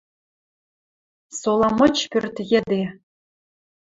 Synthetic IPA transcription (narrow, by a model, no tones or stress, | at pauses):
solˠɑmɤ̆t͡ɕpʲørʲt̪jĕd̪e